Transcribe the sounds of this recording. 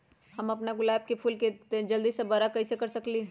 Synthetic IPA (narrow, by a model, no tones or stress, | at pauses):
hɐmɐpnaɡʊlaːb̚kepʰuːlked͡ʒɐld̪isebaɾakɐisekɐɾsɐkliː